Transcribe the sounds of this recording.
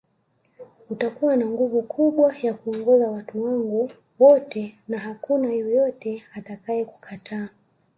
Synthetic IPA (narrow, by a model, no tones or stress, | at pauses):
utakuwanaŋɡuvukʰuɓwajakuɔŋɡɔzawatuwaŋɡu | wɔtɛnaɦakunajɔjɔtɛatakaɛku̥kʰatʰaː